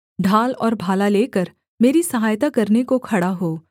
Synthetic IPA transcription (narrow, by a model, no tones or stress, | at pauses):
ɖʱaːlɔːɾbʱaːlaleːkəɾ | meːɾisɐɦaːjt̪akɐɾnekokʰɐɽaɦoː